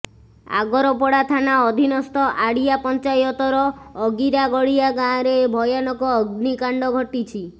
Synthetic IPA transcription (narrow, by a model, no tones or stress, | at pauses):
a̰ɡɔɾɔpɔɽat̪ʰanaɔd̪ʱinɔst̪ɔʔaɽijapɔnt͡ʃajɔt̪ɔɾɔːɡiɾaɡɔɽiaɡaɾebʱɔjɔnɔkɔːɡnikaɳɖɔɡʱɔʈit͡ʃʰi